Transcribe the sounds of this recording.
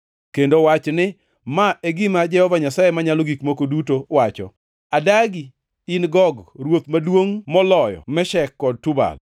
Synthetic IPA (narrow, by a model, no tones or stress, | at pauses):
kendowat͡ʃnɪ | maʔeɡɪmad͡ʒɛhɔvaɲasajemaɲaloɡikmokodutowat͡ʃɔ̰ | adaɡi | ɪnɡɔɡɾwot̪madwoŋmɔlɔjɔ̰mɛʃɛkːɔd̚tʊba̰l